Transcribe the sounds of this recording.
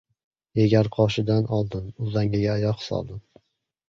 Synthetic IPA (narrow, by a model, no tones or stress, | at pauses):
jeɡʲaɾqʰɒʃɪd̪anɒlˠd̪ɪnʊzaŋʲɪɡʲaːjɒqsɒ̰lˠd̪ɪm